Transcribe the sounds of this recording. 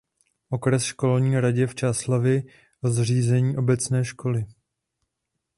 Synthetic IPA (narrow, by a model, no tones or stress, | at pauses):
ʔo̞kɾɛsʃko̞lɲiːɾaɟɛft͡ʃaːslavjɪ | ʔozr̝iːzɛɲiːʔo̞bɛt͡snɛːʃko̞lɪ